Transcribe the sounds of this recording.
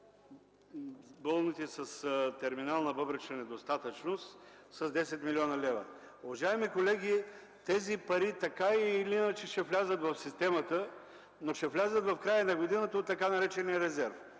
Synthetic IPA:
bolˠnit̪isɐst̪ɛɾminalˠnəvɤbɾɛt͡ʃənɛd̪ost̪at̪ət͡ʃnos | sɐzd̪ɛsɛt̪milʲiɔnəlʲɛvə̰ | ʊvɐʒaɛmikolɛɡ̟ʲi | t̪ɛzipɐɾit̪ɐkailiinət͡ʃɛʃɛvlʲazət̪vɐfsist̪ɛmɐt̪ə | noʃɛvlʲazət̪vɐfkɾajənɐɡod̪inət̪əot̪ːɐkanɐɾɛt͡ʃɛnijəɾɛzɛɾf

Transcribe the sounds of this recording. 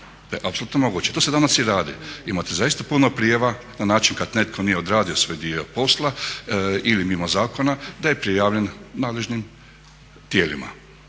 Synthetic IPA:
t̪ajeʔapsolut̪nomo̞ɡuːt͡ɕet̪o̞ːse̞d̪anasjiɾaːd̪ḭimat̪ezajist̪apunopɾijeʋa | nanaːt͡ʃinkad̪ne̞t̪̚kʰonijeod̪ɾaːd̪iosʋo̞jd̪iopo̞slˠa | ilimimozaːko̞nad̪aje̞pɾijaːʋʎennaːd̪leʒnim | t̪je̞ːlima̰

